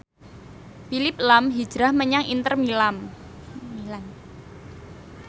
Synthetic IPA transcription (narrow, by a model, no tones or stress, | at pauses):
filɪp̚lamɦi̥d͡ʒ̥ɾahməɲaŋḭnt̪ərmilam | milan